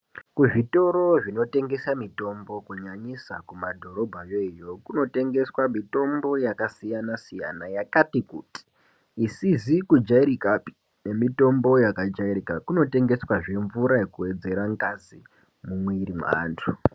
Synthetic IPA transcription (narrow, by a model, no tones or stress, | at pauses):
kuʐito̞ɾo̞ʐino̞te̞ŋɡe̞samito̞mbo̞kuɲaɲisakumadʱo̞ɾo̞bʱajejo̞kuno̞te̞ŋɡe̞swamito̞mbo̞jakasijanasija̰najakatikuti̥ː | sizikud͡ʒaiɾikapi̥ | ne̞mito̞mbo̞jakad͡ʒaiɾikakuno̞te̞ŋɡe̞swaʐe̞ɱvuɾajekuwe̞d͡ze̞ɾaŋɡazi | mumweiɾima̰ːntʰu